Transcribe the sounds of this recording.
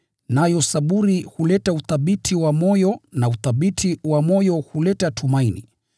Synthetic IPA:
najɔsaɓuɾihulɛtauθaɓitʰiwamɔjɔnauθaɓitʰiwamɔjɔhulɛtatʰumainḭ

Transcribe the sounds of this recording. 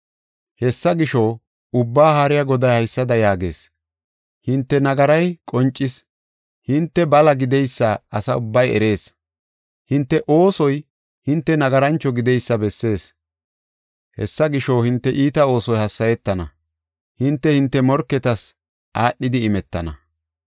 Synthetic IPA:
hɛsːɐɡɪʃɔ | ʊbːaːhaɾɪjɐɡɔd̪ɐjhɐjsːɐd̪ɐjaːɡe̞ːs | hɪnt̪ːɛnɐɡɐɾɐjkʼɔnt͡ʃʼːɪs | hɪnt̪ːɛbɐlɐɡɪd̪ɛjsːɐɐsɐʊbːɐjɛ̰ɾe̞ːs | hɪnt̪ːɛʔo̞ːsɔj | hɪnt̪ːɛnɐɡɐɾɐnt͡ʃːɔɡɪd̪ɛjsːɐbɛsːe̞ːs | hɛ̰sːɐɡɪʃɔwhɪnt̪ːɛʔiːt̪ɐo̞ːsɔjhɐsːɐjɛt̪ːɐnɐ̰ | hɪnt̪ːɛhɪnt̪ːɛmɔɾkːɛt̪ɐs | ʔaːɗːɪd̪ɪɪmɛt̪ːɐ̰nɐ̰

